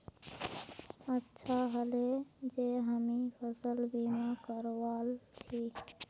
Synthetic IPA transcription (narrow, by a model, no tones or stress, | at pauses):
ətːʃʰaɦəled͡ʒeɦəmipʰəsəlbimakəɾwalt͡ʃʰi